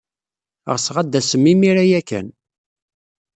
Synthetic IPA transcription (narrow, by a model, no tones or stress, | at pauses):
ʁəsʁæd̪ːæsəmːimiɾæjækːæ̰n